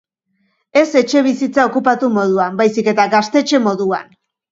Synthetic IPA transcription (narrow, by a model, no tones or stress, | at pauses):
e̞se̞t͡ʃe̞β̞isit͡sao̞kupat̪umo̞ð̞uambajsike̞t̪aɡast̪e̞t͡ʃe̞mo̞ðua̰n